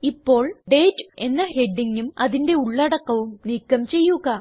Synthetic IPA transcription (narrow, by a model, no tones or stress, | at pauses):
ipːo̞ːɭɖe̞ːd͡ʑe̞nːɐhe̞ɖːiŋɡumɐðinde̞uɭːɐɽɐkːɐʋumniːkːɐmt͡ɕe̞jːuɣɐ